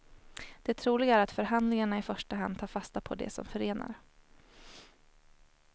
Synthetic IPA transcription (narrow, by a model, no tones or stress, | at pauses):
d̪̥ɛt̪ʰɾuːlɪɡaæɾat̪fœɾɦand̪lɪŋaɳaɪfœʂʈaɦand̪̚t̪ʰɑːɾfast̪apʰɔ̰d̪ɛ̰sɔ̰mfœɾeːna̰ɾ